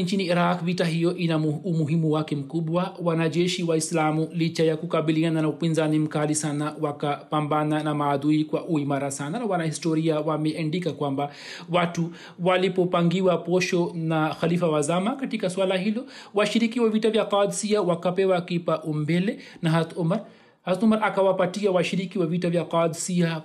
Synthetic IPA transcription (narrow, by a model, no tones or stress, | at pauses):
nt͡ʃiniːɾakvitaɦijɔʔinaumuɦimuwakɛm̩kuɓwawanaʄɛʃiwaislamulit͡ʃajakukaɓiliananaupinzanim̩kalisanawakapambananamaːðuikwaʔuimaɾasananawanahistɔɾiawamɛandikakwamba | watu | walipɔpaŋɡiwapɔʃɔnaxalifawazamakatikaswalahilɔwaʃiɾik̬iwavitavjakad̪siawakapɛwakipaʔumbɛlɛ | naɦat̪umaɾ | haat̪umaɾakawapatiawaʃiɾikiwavitavjaqad̪sia